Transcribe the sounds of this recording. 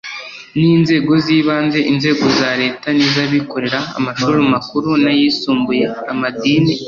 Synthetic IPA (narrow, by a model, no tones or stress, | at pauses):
niːnze̞ːɡo̞ziːβaːnze̞ʔinze̞ːɡo̞zaːɾe̞ːtanizaβiko̞ɾe̞ɾaa̰maʃuɾumakuɾunajiːsuːmbuje̞amadiːni